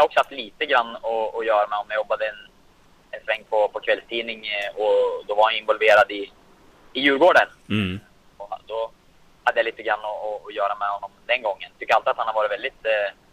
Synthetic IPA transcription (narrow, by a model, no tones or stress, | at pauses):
jɑhɾɔksɔhaft̪liːt̪əɡɾanːɔɔjœːɾamɛhɔmjajɔbːad̪əɛn | ɛnsvɛŋːpʰɔpʰɔkʰvɛlst̪ʰiːnɪŋɔd̪ɔvaɾhanjɪnvɔlveːɾad̪ɪː | jʉ̟ːɾɡoːɖən | ɔd̪ɔ | had̪ːəjaliːt̪əɡɾanːɔɔːjœːɾamɛhɔnːɔmd̪ɛnɡɔŋːənt̪ʰʏkːəɾalt̪ɪat̪hanhaɾvɑːɾɪt̪vɛld̪ɪt̪